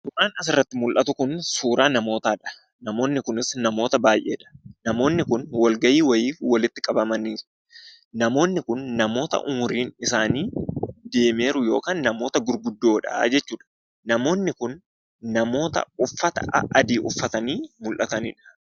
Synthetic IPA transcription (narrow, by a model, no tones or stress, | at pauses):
sʊɾaːnɐsɪrːɐt̪ːɪmʊlʔɐt̪ʊkʊnsuːɾaːnɐmo̞ːt̪aːᶑɐ̥ | nɐmo̞ːnːɪkʊnɪsnɐmo̞ːt̪ɐbaːjʔe̞̰ːᶑɐ̥nɐmo̞ːnːɪkʊnwɐlɡɐjiːwɐjiːfwɐlɪt̪ːɪkʼɐbɐmɐniː | nɐmo̞ːnːɪkʊnːɐmo̞ːt̪ɐ̰ʔʊmʊɾiːnɪsaːniːd̪e̞ːme̞ːɾʊjo̞̰ːkaːnːɐmo̞ːt̪ɐɡʊɾɡʊd̪ːo̞ːᶑɐ̰d͡ʒɛt͡ʃːuːᶑɐ̥ | nɐmo̞ːnːɪkʊnː | ɐmo̞ːt̪ɐ̰ʊfːɐt̪ɐ̰ɐ̰ʔɐd̪iːʔʊfːɐt̪ɐniːmʊlʔɐt̪ɐnḭːᶑɐ̥